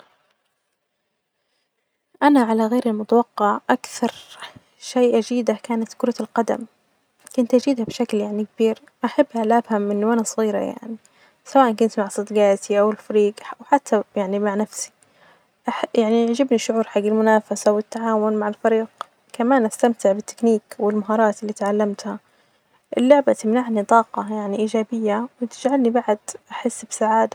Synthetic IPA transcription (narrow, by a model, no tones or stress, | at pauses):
ʔanaʕalaɣeːɾalmʊt̪awɑqːɑʕʔakθɑɾˤ | ʃeːʔad͡ʒiːd̪akaːnat̪kʊɾˤɑlqɑd̪a̰m | kʊnt̪ʔad͡ʒiːd̪habʃakljaʕnikabiːɾ | ʔaħabːhalʔabhamʔɪnːʊʔanasˤɣiːɾa̰ja̰ʕni | sawaːʔankʊnt̪maʕasˤɨd̪ɡaːt̪iʔawɪlfaɾiːɡwħat̪ːajaʕnimaʕnafsi̥ | ʔaħjaʕniʕd͡ʒɪbniʃʊʕuːɾħaɡːalmʊnaːfasawɪt̪ːaʕaːwʊnmaʕɪlfaɾiːɡ | kamaːnʔast̪amt̪ɪʕbɪt̪ːɪ̥kniːkwɪlmaɦɑːɾˤɑːt̪ʔɪlːiːt̪ʕalːamt̪ha | ʔɪlːʊʕbat̪ɪmnaʕnit̪ˤɑːqɑjaʕniʔiːd͡ʒaːbɪjːawɪt̪ɪd͡ʒʕalnibaʕd̪̥ʔaħɪsːbɪsaʕaːd̪a